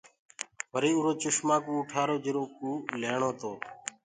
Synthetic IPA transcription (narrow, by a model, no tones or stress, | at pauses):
ʋəɾiːuːɾoːt͡ʃʊʃmãːkũːʊʈʰaːɾoːd͡ʒɪɾoːkuːleːɳoːt̪oː